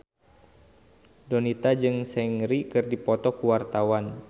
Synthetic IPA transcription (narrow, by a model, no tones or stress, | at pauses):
dɔnit̪ad͡ʒɨŋsɛŋɾikɨrdipɔt̪ɔkuwart̪awan